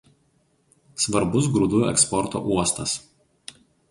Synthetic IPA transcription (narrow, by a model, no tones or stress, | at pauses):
sʋɐɾbʊs̬ɡɾʊd̪uɛ̰kspɔɾt̪o̰ːʔuɔst̪ɐs